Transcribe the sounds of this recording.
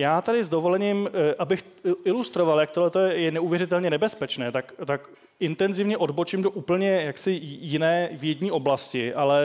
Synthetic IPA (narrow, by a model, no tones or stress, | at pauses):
jaːt̪adɪzdo̞vo̞lɛɲɪmʔabɪx | ɪlust̪ɾo̞valjakt̪odlɛt̪ojɛjɛnɛuvjɛɾɪt̪ɛlɲɛnɛbɛspɛt͡ʃnɛːt̪akt̪ak | ʔɪnt̪ɛnzɪvɲɛʔo̞dbo̞t͡ʃɪmdo̞ʔuːpl̩ɲɛjaksɪjɪnɛːvjɛɟɲiːʔo̞blascɪalɛ